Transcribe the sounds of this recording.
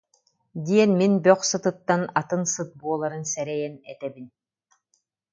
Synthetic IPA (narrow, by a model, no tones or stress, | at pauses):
d̪iɛnminbœχsɯt̪ɯt̪ːanat̪ɯnsɯt̪̚buɔlˠaɾɯnsɛɾɛjɛnɛ̰t̪ɛbin